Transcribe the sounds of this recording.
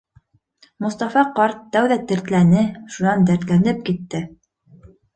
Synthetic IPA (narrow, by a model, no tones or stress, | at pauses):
mŏst̪ɑfɑqɑɾt̪ːæwðæt̪ɘ̆ɾt̪lænɘʃunɑnd̪æɾt̪lænɘp̚kit̪ːɘ